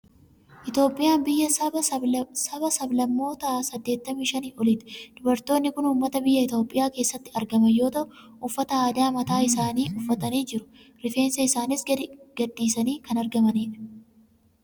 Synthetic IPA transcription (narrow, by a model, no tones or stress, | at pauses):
ʔɪt̪jo̞ːpʼːɪjaːnbɪjːɐ | sɐbɐsɐblɐmːo̞ːt̪aːsɐd̪ːe̞ːt̪ːɐmiːʃɐniːʔɔlɪt̪ɛ̥d̪̥ʊbɐɾt̪o̞ːnːɪkʊnuːmːɐt̪ɐbɪjːɐɪt̪o̞ːpʼːɪjaːke̞ːsːɐt̪ːɪɐɾɡɐmɐjo̞ːt̪ɐʔʊ | ʊfːɐt̪ɐaːd̪aːmɐt̪aːɪsaːniːʊfːɐt̪ɐniːd͡ʒɪɾʊ̥ | ɾɪfe̞ːnsɐɪsaːnɪsɡɐd̪ːiːsɐniːkɐnɐɾɡɐmɐniːfɐ̥